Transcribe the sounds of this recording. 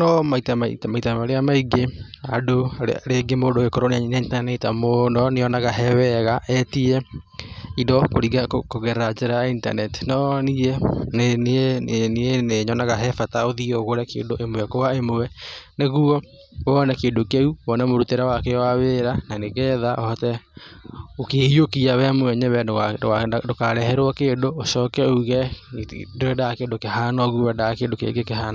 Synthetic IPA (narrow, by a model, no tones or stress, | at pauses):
nɔmaitamaitamaitamaɾeamaiɡeado̰ɾeɡemodoɣekoɾonianaintanɛtamonɔneɔnaɣaɦɛwɛɣaʔɛtiɛ | idɔkoɾiɣakokoɣɛɾat͡ʃɛɾainta̰nɛti̥nɔniɛnnnieneɲɔnaɣaɦɛfataoðiɔɣoɾakḛːndoʔemoɛkowaemoɛneɣuɔ | ɔnɛkedokeuwɔnɛmoɾuteɾawakewaweɾananeɣɛðaʔɔhɔtɛ | okeiokiawɛmoɛɲɛβɛ | dokaɾɛhɛɾwɔkeːndooʃɔːkɛuɣɛ | doɾɛdakeːdokehanɔɣuwɛdakeːndokḛɡekeɦana